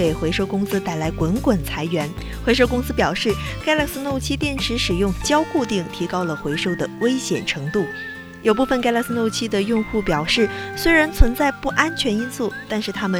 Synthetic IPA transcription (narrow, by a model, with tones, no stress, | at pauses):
e˨˩ɪxwe˧˥ɪʂo˥˧ʊkʊ˥ŋsɹ̩˥t̪a˥˩ɪla˧˥ɪkwə˧˥nkwə˨˩nt͡sʰa˧˥ɪɥɛ˧˥n | xwe˧ɪʂ̬o˥ʊkʊ˥ŋsɹ̩˥pjɑ˨˩ʊʂɻ̩˥˩ka˥ɪla˥˩ks̩˥no˥˧ʊt͡ɕʰi˥t̪jɛ˥˩nʈ͡ʂʰɻ̩˧˥ʂɻ̩˨˩jʊ˥˧ŋt͡ɕjɑ˥ʊku˥˧t̪i˥˩ŋt̪ʰi˧˥kɑ˥ʊlə˨xwe˧˥ɪʂo˥ʊd̪ə˩we˥ɪɕjɛ˨˩nʈ͡ʂʰɤ˧˥ŋt̪u˥˩ | jo˨˩ʊpu˥˩fə˩nka˥ɪla˥ks̩˥no˥˧ʊt͡ɕʰi˥d̪ə˨jʊ˥˧ŋxu˥˩pjɑ˨˩ʊʂɻ̩˥˩swe˥ɪɻa˧˥nt͡sʰwə˧˥nt͡sa˥˧ɪpu˥˩ʔa˥nt͡ɕʰɥɛ˧˥ni˥nsu˥˩t̪a˥˧nʂɻ̩˥˩t̪ʰa˥mə˨